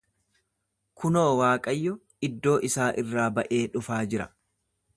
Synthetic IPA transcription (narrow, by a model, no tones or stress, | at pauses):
kʊno̞ːwaːkʼɐjːɔ | ɪd̪ːo̞ːʔɪsaːʔɪrːaːbɐʔe̞ːᶑʊfaːd͡ʒɪɾɐ